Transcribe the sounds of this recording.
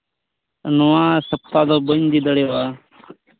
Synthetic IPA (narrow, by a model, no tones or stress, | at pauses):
nuwãːsəp̚t̪aːd̪oːbənd̪id̪əɽeːwaː